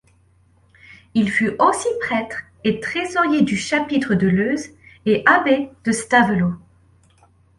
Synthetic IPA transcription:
ilfyʔosipχɛt̪χ | et̪χezɔʁjed̪yʃapit̪χəd̪əløzeʔabed̪̥əst̪avəlo

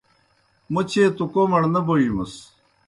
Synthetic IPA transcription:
mɐt͡ɕʰeːt̪ukomɐɽnɐbojimɐs

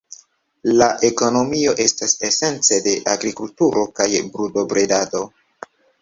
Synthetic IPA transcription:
laʔe̞ko̞no̞mio̞ʔe̞stase̞se̞nt͡se̞de̞ʔaɡɾikultuɾo̞kajbɾudo̞bɾedado̞

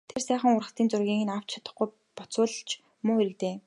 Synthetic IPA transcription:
t̪ʰersæːχə̆ŋʊrʁə̆t̪iːnt͡sʊrɣʲiːŋɘ̆naw̥t͡ɕt͡ɕʰḁt̪ə̆χɡuj | pɔt͡sʊːɮ̆ɬt͡ɕ | mʊer̆kt̪eː

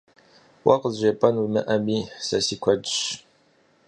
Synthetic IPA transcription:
wʔɐqəzzʷepʼɐnumɨʔɐmiːsɐsiːkʷʰɐdɕ

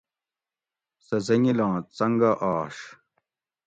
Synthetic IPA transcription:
sɐzɐŋilãːt͡sɐŋɡɐʔaːʂ

